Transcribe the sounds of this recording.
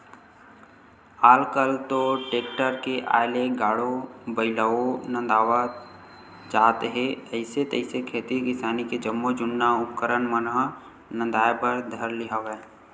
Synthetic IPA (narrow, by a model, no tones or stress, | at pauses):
aːlkəlt̪oʈeːk̚ʈəɾkeʔa̰ːjleɡaːɽobəɪləonə̃nd̪aːʋa | d͡ʒaːt̪ɦẽəɪset̪əɪsekʰeːt̪ikɪsaːniked͡ʒɐmːod͡ʒʊnːaʊpkəɾənmənɦ | nə̃nd̪aːjpəɾd̪ʱɐɾlɪɦaʋɛ